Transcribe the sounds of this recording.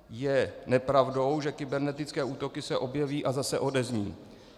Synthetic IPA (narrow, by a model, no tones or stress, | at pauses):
jɛnɛpɾavdo̞wʒɛkɪbɛɾnɛt̪ɪt͡skɛːʔuːt̪o̞kɪsɛʔo̞bjɛviːʔazasɛʔo̞dɛzɲiː